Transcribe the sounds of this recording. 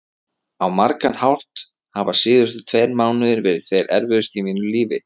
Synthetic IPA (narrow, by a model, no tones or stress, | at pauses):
awmaɾkanhawr̥t̪ | havasɪːðʏst̪ʏ̥t̪ʰvejɾmaːwnʏðɪɾvɛːɾɪð̥θejɾɛ̰ɾvʏðʏst̪imiːnʏliːvɪ̰